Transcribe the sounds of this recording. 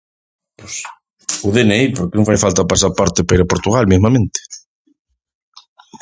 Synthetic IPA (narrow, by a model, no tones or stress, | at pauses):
pos | uðeneiɾpoɾkenõŋfajfalt̪apas̬apaɾt̪epaiɾapoɾt̪uɣalmizmamẽnt̪e̥